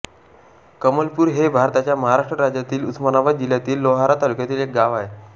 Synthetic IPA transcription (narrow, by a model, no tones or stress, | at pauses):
kəməlpuːɾɦebʱaɾt̪at͡ɕjaməɦaɾaʂʈɾəɾad͡ʑjat̪iːlut̪smanaʋad̪̚d͡ʑiljat̪iːlːoɦaɾat̪alukjat̪iːlek̚ɡaʋaɦe